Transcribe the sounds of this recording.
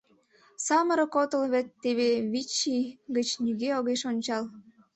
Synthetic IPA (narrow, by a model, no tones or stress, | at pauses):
sɑməɾə̆kot̪əlβet̪ːeβeβit͡ɕːiɡət͡ɕnyɣeoɣeʃonʲt͡ɕɑl